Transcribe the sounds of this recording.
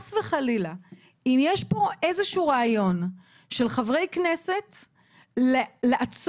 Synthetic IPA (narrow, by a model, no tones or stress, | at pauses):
sveχalila | imjeʃpo̞ʔe̞zeʃuːʁaːjo̞n | ʃe̞lχavʁe̞jknese̞t | leleʔat͡s